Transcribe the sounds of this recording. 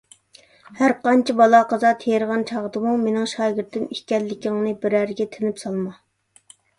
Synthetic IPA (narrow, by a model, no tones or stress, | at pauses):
hæɾqɑnt͡ʃʰibɑlˠɑqɑzɑt̪ʰejɾʁɑnt͡ʃʰɑʁd̪ɨmumenɪŋʃɑːɡʲɪɾt̪ʰːɪmihkʲɛlːɪkʲiŋnɨbɪɾæɾɡʲɛt̪ʰɪnɪpsɑlˠmɑ